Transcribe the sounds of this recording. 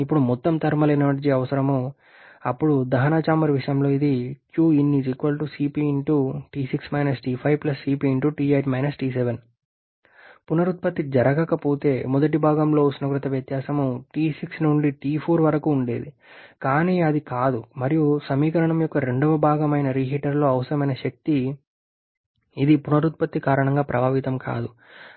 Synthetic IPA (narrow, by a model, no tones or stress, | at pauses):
ipːuɽumɔt̪ːɐmt̪ɐɾmɐlɐjnɐʋɐʈd͡ʒiɐʋɐsɐɾɐmu | ɐ̰pːuɽud̪ɐɦɐnaːt͡ʃaːmɐɾʋiʂɐjɐmlo̞ːid̪ikjuːinːisikʋɐlʈusiːpiːɳʈuʈiːsiksmɐjnɐsʈiːpʰɐjʋplɐsːiːpiːɳʈuʈiːejʈmɐjnɐsʈiːs̬eʋen | punɐɾut̪̚pɐt̪ːid͡ʒɐɾɐɡɐkɐpo̞ːt̪e̞ːmɔd̪ɐʈ̬ibʱaːɡɐmlo̞ːsnɐɡɾɐt̪ɐʋjɐt̪jaːsɐmuʈiːsiksnuɳɖiʈiːpʰoːɾʋɐɾɐkuːɳɖe̞ːd̪i | kaːniːɐd̪ikaːd̪umɐɾijusɐmiːkɐɾɐɳɐmjɔkːɐɾe̞ɳɖɐʋɐbʱaːɡɐmɐjnɐɾiːɦiʈɐɾlo̞ːɐʋɐsɐɾɐmɐjnɐʃɐk̚t̪i | id̪ipunɐɾut̪̚pɐt̪ːikaːɾɐɳɐŋɡaːpɾɐbʱaːʋit̪ɐmka̰ːd̪u